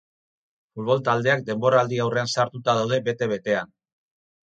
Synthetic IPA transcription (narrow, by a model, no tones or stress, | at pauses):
fulβ̞o̞lt̪ald̪e̞ak̚d̪e̞mbo̞ɾaːld̪iawre̞ansaɾt̪ut̪aðawð̞e̞be̞t̪e̞βe̞t̪e̞an